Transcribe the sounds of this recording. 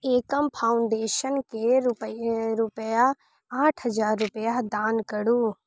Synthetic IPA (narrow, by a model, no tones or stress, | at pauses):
eːkəmpʰaːʊɳɖeːʃənkeɾʊpɾʊpəja | aːʈʰɦəd͡ʒaːɾːʊpəjad̪aːnkəɽuː